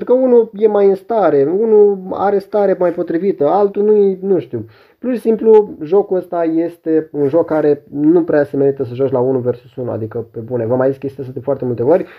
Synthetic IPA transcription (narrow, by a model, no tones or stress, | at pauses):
ent̪ɾukəunuje̞majɨnst̪aɾe̞unua̰ɾe̞st̪aɾemajpo̞t̪ɾivit̪əalt̪unujinuʃt̪iw | puʃisimpluʒo̞kuəst̪aje̞st̪e̞unʒo̞kːaɾe̞nupɾeaseme̞ɾit̪əs̬əʒat͡ʃlaunuve̞rsusunua̰d̪ikəpe̞bune̞vəmajziske̞st̪ijas̬əd̪efoart̪e̞mult̪e̞orʲ